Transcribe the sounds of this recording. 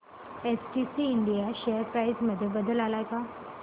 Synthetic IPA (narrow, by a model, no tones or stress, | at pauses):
esʈisiɪɳɖijaʃejəɾpɾaːɪzmɐd̪ʱəbɐd̪əlaːlaːjka